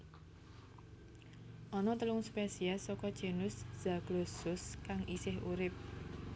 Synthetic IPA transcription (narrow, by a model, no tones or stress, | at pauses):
ʔɔnɔt̪əlʊŋspesiasɔkɔd̥ʒ̥e̤nʊsz̥a̤ɡ̥lɔsʊskaŋʔisɪɦuɾɪp̚